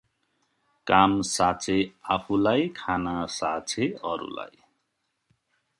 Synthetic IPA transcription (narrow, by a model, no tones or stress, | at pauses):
kamsat͡sʰeapʰulajkʰanasat͡sʰeʌɾṵla̰j